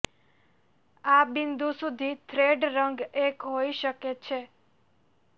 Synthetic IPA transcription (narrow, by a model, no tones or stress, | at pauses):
abind̪ʱusud̪ʱit̪ʰɾeɖɾəŋɡekɦoiʃəket͡ʃʰe